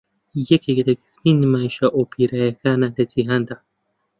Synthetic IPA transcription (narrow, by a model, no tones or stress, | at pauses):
jekekt̪ekxinimaʃaʔopʰiɾajkanat̪et͡siɦand̪a